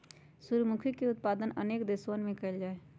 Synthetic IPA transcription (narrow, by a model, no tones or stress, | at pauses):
suɾmukʰikeʊt̪̚paːd̪ənə̰neːkd̪eswənmẽkəɪld͡ʒaːe